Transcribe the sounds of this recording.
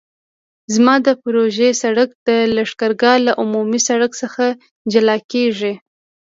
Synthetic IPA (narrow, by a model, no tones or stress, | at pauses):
zmɑd̪əpɾoʒesaɽak̚d̪̥əlaʂkaɾɡɑlaʔʊmumisaɽaksəxa | d͡ʒalɑkeʐi